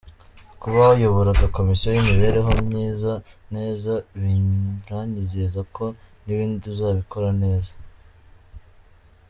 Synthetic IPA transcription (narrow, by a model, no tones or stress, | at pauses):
kuβahojoβoɾadako̞misijojimiβe̞ːɾe̞ɦo̞mɲiːzane̞ːzaβiɾaɲizezakʰo̞niβiːndiduzaːβiko̞ɾane̞ːza